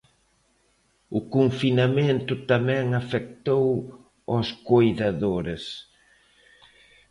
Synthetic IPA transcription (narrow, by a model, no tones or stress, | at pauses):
ʊkoɱfinament̪ʊt̪amɛ̃ŋafek̚t̪ow | ɔskojðaðoɾɪs